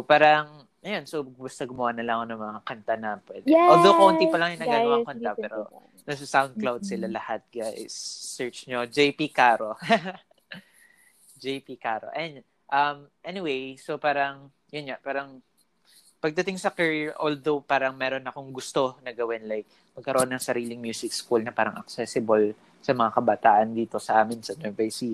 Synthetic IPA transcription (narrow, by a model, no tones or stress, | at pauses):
opaːɾɐŋ | ʔɐjo̞nsowɡbɐst̪ɐɡʊmoʔɐnːɐlɐŋɐkonɐŋmɐŋakɐnt̪anɐpwɛd̪old̪owkont̪ipɐlɐŋjʊŋnɐɡaɐwakont̪apɛːɾo | nɐssawnd̪̚klawd̪̚sɪlalɐhat̪̚ɡaʔɪ̰sɛɹt͡ʃɲod͡ʒejpikaːɾo | d͡ʒejpikaːɾo̰ʔɐɛn | ʔɐmʔɛnɪwejsopaːɾɐŋ | jʊnɲapaːɾɐŋ | pɐɡ̚t̪ɐt̪ɪŋsɐkɐɹiɹʔold̪owpaːɾɐŋmɛːɾonɐkoŋɡʊst̪o̞nɐɡɐwɪnlajk̚ | mɐɡ̚kɐɾoʔonːɐŋsɐɾiːlɪŋmjuːsɪkskulnɐpaːɾɐŋʔɐ̰k̚sɛsɪbɐl | sɐmɐŋakɐbɐt̪aːʔɐnd̪iːt̪o̞sɐʔaːmɪnsɐd̪ɛvajsi